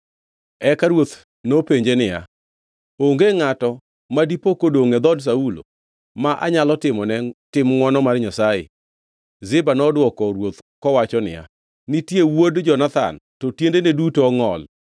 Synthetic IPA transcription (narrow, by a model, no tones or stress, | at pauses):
ɛkaɾwot̪ | nopeɲd͡ʒenɪja̰ | oŋɡeŋatɔ | madipokodoŋɛd̪ɔds̬aulo̰ | maʔa̰ɲalɔtɪmɔnɛtɪmŋwɔnɔmarɲasaḛ | zɪbanɔdwɔkɔɾwot̪kɔwat͡ʃɔnɪ̰ja̰ | nɪtjewodd͡ʒɔnat̪a̰ntotjendenedutoɔŋɔl